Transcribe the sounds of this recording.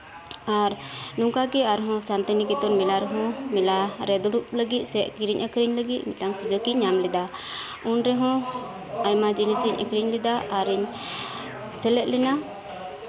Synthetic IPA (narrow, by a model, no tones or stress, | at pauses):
aɾnuŋkakɛaɾɦɔ̃sant̪ɛnikɛt̪ɔnmilaɾɛɦɔ̃milaɾɛd̪uɽup̚ləɡit̪̚sɛʔkiɾiɲʔəkɾiɲləɡit̪̚miaŋsud͡ʒɔkiɲamlɛd̪a | unɾɛɦɔ̃ | ajmad͡ʒinisɛɲʔə̰kɾiɲlɛd̪aʔaɾiɲ | sɛlɛʔ̚lɛna